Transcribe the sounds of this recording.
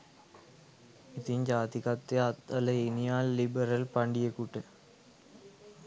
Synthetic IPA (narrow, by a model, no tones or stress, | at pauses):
it̪iɲd͡ʒaːt̪ikɐt̪ːeɐt̪ɐlɐenijaːlːibɐɾɐlpɐɳɖijekuʈːɨ